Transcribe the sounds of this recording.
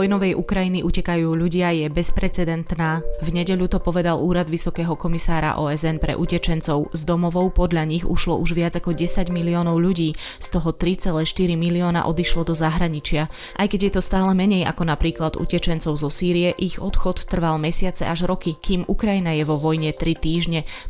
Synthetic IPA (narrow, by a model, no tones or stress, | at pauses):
ɔjnɔʋɛjʔukɾajiniʔucɛkajuːʎuɟɪajɛbɛspɾɛt͡sɛd̪ɛnt̪naːvɲɛɟɛʎut̪ɔpɔʋɛd̪aluːɾad̪ʋisɔkɛːɦɔkɔmisaːɾa̰ʔɔːɛzɛnpɾɛ̰ʔucɛt͡ʃɛnt͡sɔʊzd̪ɔmɔʋɔʊpɔd̪ʎaɲiɣṵʃlɔʔuʒʋɪad͡zakɔɟɛsaɟmiliɔːnɔʊʎuɟiː | st̪ɔɦɔt̪ɾit͡sɛlɛːʃt̪iɾimiliɔːna̰ʔɔd̪iʃlɔd̪ɔzaɦɾaɲit͡ʃɪa | ʔajkɛɟjɛt̪ɔst̪aːlɛmɛɲɛja̰kɔnapɾiːklad̪ṵcɛt͡ʃɛnt͡sɔʊzɔsiːɾiɛʔiɣɔt̪xɔt̪ːr̩ʋalmɛsɪat͡sɛ̰ʔaʒɾɔkikiːmʔukɾajinajɛʋɔʋɔjɲɛt̪ɾit̪iːʒɲɛ